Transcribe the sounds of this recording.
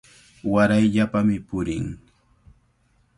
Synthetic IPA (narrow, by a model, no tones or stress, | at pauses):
waɾajʎapamɪpʊɾɪŋ